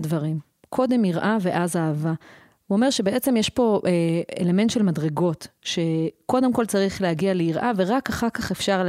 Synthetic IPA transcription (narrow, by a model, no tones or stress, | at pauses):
dvaʁim | kʰo̞de̞miʁʔave̞ʔazaːva | uome̞ʁʃebeʔet͡semjeʃpo̞ʔeḛle̞me̞nt̪ʃe̞lmadʁeɡo̞tʃe̞ko̞demko̞lt͡saʁiχlehaɡialeiʁʔave̞ʁakaχaʁkaχe̞fʃaʁl